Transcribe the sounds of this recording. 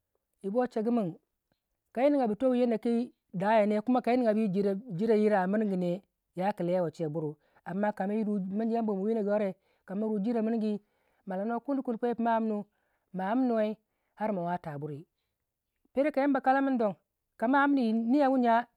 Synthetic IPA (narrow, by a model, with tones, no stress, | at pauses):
i˨bo˦t͡ʃe˨ɡi˦mi˦˨n | ka˨i˦ni˦ŋa˨bi˨to˦wje˦na˨ki˦ | da˨˦ja˨ne˦ku˦ma˦ka˨˦i˦ni˦ŋa˨bi˦d͡ʒi˦˨d͡ʒi˦ɾa˨ji˦ɾa˨mi˦n˦ŋɡi˨ne˨ | ja˦ki˨le˦ja˦wo˨t͡ʃe˨bu˦ɾu˨ | a˨mːa˦ka˨ma˦ji˦ɾu˦mi˦ɡi˦ja˦mbo˨mo˨wi˦na˨ɡo˦ɾe˨ | ka˨ma˦ɾu˨d͡ʒi˦ɾa˨mi˦n˦ɡi˦ | ma˨la˨˦no˦ku˦n˦i˦ku˦n˨po˦e˦pma˦m˦nu˦ | ma˨a˦m˦no˨we˦i˦ | ha˦ɾma˨wa˦ta˨bu˦ɾi˨ | pe˦ɾe˦ka˨je˦ba˨ka˦la˦mi˦n˦do˨ŋ | ka˨ma˦a˦m˦ni˨ni˦ja˦wu˦ɲa˦